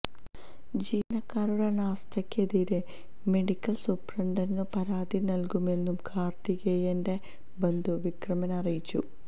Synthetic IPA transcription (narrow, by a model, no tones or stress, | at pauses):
d͡ʑiːnɐkːaːɾuɽenaːst̪ʰɐkʲːeðiɾe | me̞ɽikʲːɐlsuprɐɳɖɐnnɨpɐɾaːðinɐlkume̞nːumkʰaːrt̪iɣejende̞ | bend̪ʱuʋikrɐmɐnɐrijit͡ɕːṵ